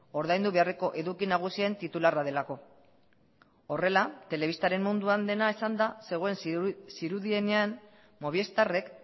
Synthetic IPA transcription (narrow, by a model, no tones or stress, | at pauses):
o̞ɾðajnd̪uβe̞are̞ko̞ʔe̞ðukinaɣ̞usie̞nt̪it̪ularaðe̞lako̞ | o̞re̞lat̪e̞le̞β̞ist̪aɾe̞mmund̪uand̪e̞naesand̪ase̞ɣ̞o̞e̞nsiɾuðie̞ne̞an | mo̞β̞ie̞st̪are̞k